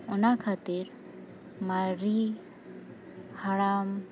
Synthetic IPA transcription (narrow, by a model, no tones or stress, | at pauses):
unakʰat̪iɾ | maɾi | haɭam